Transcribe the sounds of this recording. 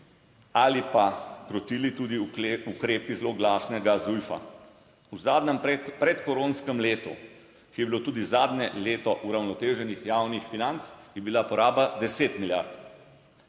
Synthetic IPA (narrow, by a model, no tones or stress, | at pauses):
alipakɾɔt̪ilit̪uːd̪iukɾeːpizloɡlaːsnɛɡazujfa̰ | uzaːd̪nɛmpɾɛt̪kɔɾoːnskɛmleːt̪ṵ | kijɛbilot̪uːd̪izaːd̪nɲɛleːt̪ɔʔuɾawnɔt̪eːʒɛnixjawnixfinant̪sjɛbilapɔɾaːbad̪ɛseːt̪milja̰ɾt̪